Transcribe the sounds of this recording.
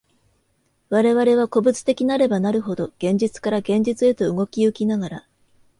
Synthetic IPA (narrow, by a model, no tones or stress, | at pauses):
βaɾe̞βaɾe̞β̞ako̞bɯ̟t͡sɨ̥t̪e̞kʲinaɾe̞banaɾɯ̟ɦo̞d̪o̞ɡ̥ẽ̞ɲ̟d͡ʑit͡sɨ̥kaɾaɡẽ̞ɲ̟d͡ʑit͡sɨe̞t̪o̞ɯɡo̞kʲiɯ̟kʲinaɡaɾa